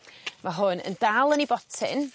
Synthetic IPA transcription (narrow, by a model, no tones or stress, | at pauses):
maɦʊnə̰ndalˠənibɔtʰɪ̰n